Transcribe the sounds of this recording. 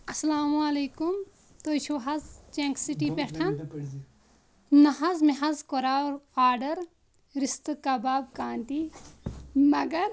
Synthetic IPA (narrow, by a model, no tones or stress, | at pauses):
ɐslaːmuɐleːkum | t̪oːt͡ʃʰuɦɐzt͡ʃẽŋksiʈipeʈʰɐn | nɐɦɐzmeɦɐzkoɾaːɾaːɾɖɐɾ | ɾist̪ɨkɐbaːbkaːnt̪i | mɐɡɐɾ